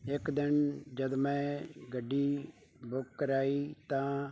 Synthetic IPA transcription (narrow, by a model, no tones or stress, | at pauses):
ɪkd̪ɪnd͡ʒəd̪mɛ̃ːɡəɖːiː | bʊkːəɾaːiːt̪ãː